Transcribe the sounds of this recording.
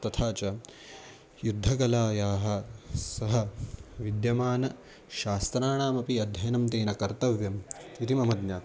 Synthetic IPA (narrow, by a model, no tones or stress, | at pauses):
t̪ɐt̪ʰaːt͡ʃɐ | jud̪ʱːɐɡɐlaːjaːɦɐ̆sɐɦɐʋid̪jɐmaːnɐ | ʃaːst̪ɾaːɳaːmɐpiɐd̪ʱjɐjɐnɐmt̪eːnɐkɐɾt̪ɐʋjɐmit̪imɐmɐd̪njaːt̪